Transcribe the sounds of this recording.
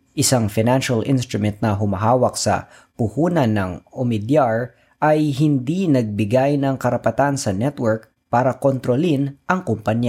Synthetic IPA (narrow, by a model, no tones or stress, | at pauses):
ʔɪsaŋfɪnanʃɐlʔɪ̰nst̪ɾʊmɛnt̪̚nɐɦʊmɐɦaːwɐk̚sɐ̰ | pʊhuːnɐnːɐŋomɪd̪jaɹ | ʔɐjɦɪnd̪inɐɡ̚bɪɡajnɐŋkɐɾɐpɐt̪ansɐnɛt̪wɛɹk̚ | paːɾɐkont̪ɾolinʔɐŋkʊmpɐnja